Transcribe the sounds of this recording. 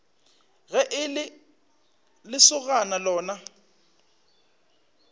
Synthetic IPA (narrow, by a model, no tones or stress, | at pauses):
ɣɛʔɪlɪ | lɪsʊɣanalɔːna